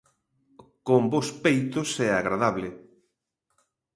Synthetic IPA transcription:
kombospejt̪ʊsɛaɣɾaðaβlɪ

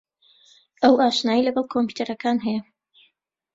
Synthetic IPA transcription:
ʔɐwaːʃnaːjilɐɡɐlˠkʰompu̥t̪ʰɐɾɐkaːnɦɛjɛ

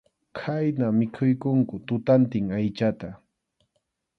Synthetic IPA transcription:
kʰajnamɪkʰʊjkʊŋkʊt̪ʊt̪ant̪ɪŋajt͡ʃat̪a

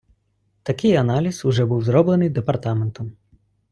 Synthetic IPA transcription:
t̪ɐkɪjɐnɑlʲisʊʒɛbuwzɾɔblenɪjd̪epɐrt̪ɑment̪ɐm

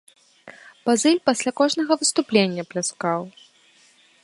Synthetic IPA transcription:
pazɨlʲpasʲlʲakɔʐnɐɣɐvɨst̪uplʲenʲːɐplʲaskaw

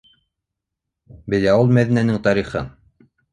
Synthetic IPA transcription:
bɘ̆læulˠmæðinænɘŋt̪ɑɾiχɤ̰n

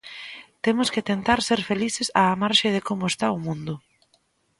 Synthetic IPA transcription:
t̪emʊskɪt̪ent̪aɾseɾfeliθɪsaːmaɾʃeðɪkomʊest̪aʊmũnd̪ʊ

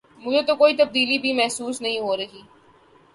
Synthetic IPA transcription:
mʊd͡ʒʱet̪okoːit̪ɐb̚d̪iːlibʱimɛɦsuːsnɐɦĩɦoɾɐɦiː

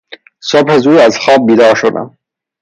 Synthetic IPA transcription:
sobhæzuːæzxɒːb̚bːiːd̪ɒːʃod̪æ̰m

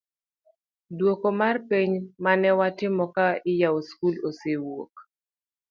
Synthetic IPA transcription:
dwokomarpeɲmanɛwatɪmɔkaɪjaoskulosewo̰k

